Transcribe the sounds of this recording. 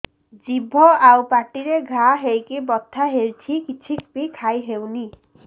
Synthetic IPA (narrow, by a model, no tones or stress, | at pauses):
zibʱɔawpaʈiɾeɡʱaɦejkibɔt̪ʰːaɦeɹtʰikit͡ʃʰik̚bikʰajɦewni